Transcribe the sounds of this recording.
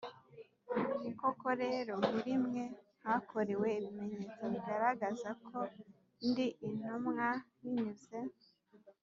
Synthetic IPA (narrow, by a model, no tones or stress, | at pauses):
ukokoɾe̞ːɾo̞muɾimŋe̞ | hakʰo̞ɾewe̞iβime̞ɲeːt͡saβiɡaɾaɡazakʰo̞ | ndiʔinumŋaniɲuze̞